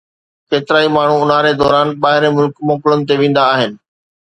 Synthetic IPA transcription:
keːt̪ɪɾaːimaːɳ̤uʊn̤aːɾed̪ɔːɾaːnɓaːɦɪɾemʊlkmɔːkɪlʊnɪ̆t̪̬eʋẽːn̆d̪aːɦɪnɪ̆

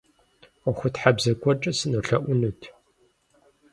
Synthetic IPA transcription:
ɔxʷʊtħabzɐkʷʰʼɔt͡ʃʼɨsɨnuɬɐʔʷʊnutʰ

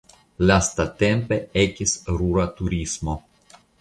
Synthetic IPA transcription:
last̪at̪e̞mpe̞ekisɾuɾat̪uɾismo̞

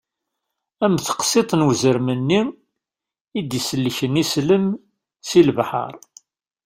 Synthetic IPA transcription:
æmθə̥qsit̪ˤnwzəɾmənːi | id̪jisəlːəçənisləm | silbħə̰ɾˤ

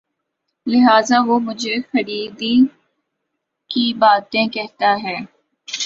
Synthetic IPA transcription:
lɪɦaːzaʋoːmʊd͡ʒʱexəɾiːd̪i | kibaːt̪ẽkɛɦt̪aɦɛː

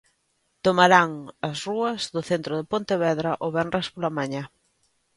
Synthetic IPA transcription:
t̪omaɾaŋɐsruɐzðʊθent̪ɾʊðɪpont̪eβɛðɾɐʔoβɛnrʔaskolamaɲa

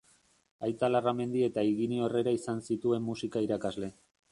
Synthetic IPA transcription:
ajt͡s̪alarame̞nd̪ie̞t̪aiɣinio̞re̞ɾaisansit̪ue̞mːusikaiɾakazle̞

